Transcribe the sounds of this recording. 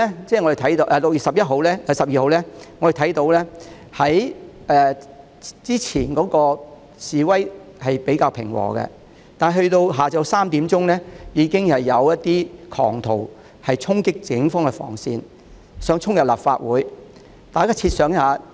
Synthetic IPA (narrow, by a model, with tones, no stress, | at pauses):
ɛ˥t͡sɛː˥˩ŋɔ˧e˨˩t̪ʰɐ˨˥jt̪o˧ʔɛː˨lʊ˨k̚jiː˨sɐ˨p̚jɐ˥t̚ɦo˨˧wlɛː˥ɐ˧sɐ˨p̚jiː˨ho˨˧wlɛː˥ŋɔ˧ɾe˨t̪ʰɐ˨˥jt̪o˨˧wlɛː˥ | hɐ˨˥j | ɛː˨˧ | t͡siː˥t͡sʰiː˨˩nkɔː˨˥kɔː˧ | siː˨wɐ˥jhɐ˨jpe˨˥jkaː˧wpʰɪ̰˨˩ŋwɔ̰ː˨˩ɡɛ̰˧ | t̪aː˨n˨˩ɦɵ˧ɥt̪o˧wɦaː˨t͡sɐ˨˧wsaː˥mt̪iː˨˥mt͡sʊ˥ŋnɛː˥jiː˨˧kɪ˥ŋhɐ˨jːɐ˨˧wjɐ˥t̪ːiː˥kʰɔ̰ː˨˩ŋt̪ʰo˨˩w | hɐ˨jt͡sʰʊ˥ŋkɪ˥k̚t͡sɪ˨˥ŋfɔː˥ŋkɛ˧fɔ̰ː˨˩ŋsiː˧n | sœː˨˧˥ŋt͡sʰʊ˥ŋjɐ˨p̚laː˨pfa̰ː˧t̚wuː˨˥j | t̪aː˨˩jkaː˥t͡sʰiː˧t̚sœː˨˧ŋjhaː˨˧